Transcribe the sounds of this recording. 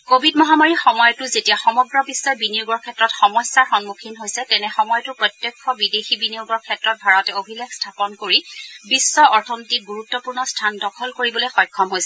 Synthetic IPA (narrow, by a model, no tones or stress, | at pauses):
kobʱidmɔɦamaɹixɔmɔjɔtʊzetijaxɔmɔɡɹɔbisːɔjbinioɡɔɹkʰɛtːɹɔtxɔmɔjsaxɔnmukʰinɦojsɛtɛnɛxɔmɔjɔtʊpɹɔtjɔkʰːɔbidexibinijoɡɔɹkʰɛtɹɔt̚bʱaɹɔtɛobʱilekstʰapɔnkoɹibisːɔɔɹtʰɔmitik̚ɡuɹutːɔpuɹnɔstʰandɔkʰɔlkoɹibɔlojxɔjkʰːɔmɦojsɛ